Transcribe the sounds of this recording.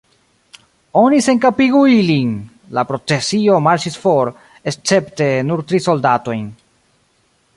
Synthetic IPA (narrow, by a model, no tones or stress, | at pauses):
o̞nise̞nkapiɡuilin | lapɾo̞t͡se̞sio̞maɾt͡ʃisfo̞ɾ | est͡se̞pte̞nuɾtɾiso̞ldato̞jn